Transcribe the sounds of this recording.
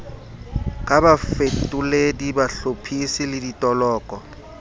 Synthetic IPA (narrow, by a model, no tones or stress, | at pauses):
kʼabafetʼuledibaɬopʰisɪlɪditʼɔlɔːkʼɔ